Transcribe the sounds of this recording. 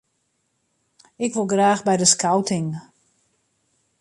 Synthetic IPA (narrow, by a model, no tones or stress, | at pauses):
ɪkʋolˠɡraːxbɛjdəskawtɪŋ